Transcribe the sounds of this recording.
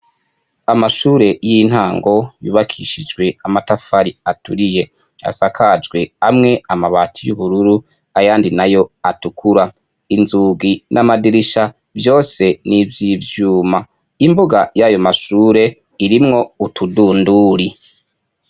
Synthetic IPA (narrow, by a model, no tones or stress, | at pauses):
amaʃuːɾe̞jin̥haːŋɡo̞juːβakʰiʃid͡ʒɡwe̞amatafaɾiatuɾije̞ | a̰sakʰad͡ʒɡwe̞amŋe̞amaβaːtʰijuβuɾuɾu | ajaːndinajo̞atukʰuɾa | inzuːɡinʔamadiɾiʃa | vjo̞ːse̞nivjivjuːma | imbuɡajajo̞maʃuːɾe̞ | iɾimŋo̞utʰuduːnduːɾi